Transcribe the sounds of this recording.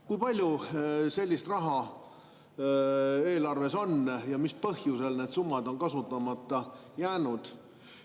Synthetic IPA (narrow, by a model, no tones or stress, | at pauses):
kujpɑlʲjuse̞lʲːist̪rɑɦɑ | e̞ːlɑrve̞so̞njɑmispɤhjuse̞lne̞d̪sumːɑd̪̥o̞nkɑsut̪ːˑɑmɑt̪ːˑɑ | jæːnud̪̥